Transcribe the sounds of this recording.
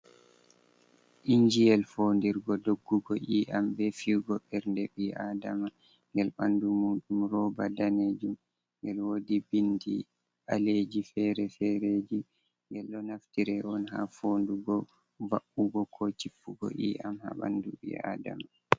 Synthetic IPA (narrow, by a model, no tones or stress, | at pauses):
ʔiɲd͡ʒijɛlfoːndiɾɡɔdoɡːuɡɔʔiːʔambɛfiɡɔɓɛɾndɛɓiʔaːdama | ŋɡɛlɓandumuːɗumɾɔbadaned͡ʒum | ŋɡɛlwodibindḭ | ʔaled͡ʒifɛɾɛfɛɾed͡ʒi | ŋɡɛlːɔnaftiɾɛɔnha̰foːnduɡɔ | vaɓːuɡɔkʰɔt͡ʃipːuɡɔ̰ʔiʔamha̰ɓa̰nduɓḭa̰ːda̰ma